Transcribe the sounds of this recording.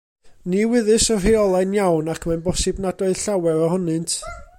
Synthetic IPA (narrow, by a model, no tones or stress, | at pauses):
niwɪðɨsɔrejɔlˠanjawnakʰmanbɔsɨbnadɔɨð̥ɬawɛɾɔhɔnɨntʰ